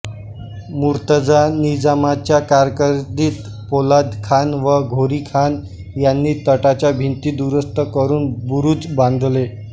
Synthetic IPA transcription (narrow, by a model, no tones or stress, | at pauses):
muɾt̪əd͡zanid͡zamat͡ɕjakaɾkəɾd̪iːt̪ | polad̪kʰanʋəɡʱoɾiːkʰan | janːiːt̪əʈat͡ɕjabʱint̪iːd̪uɾəst̪əkəɾuːnbuɾuːt͡sbãnd̪ʱle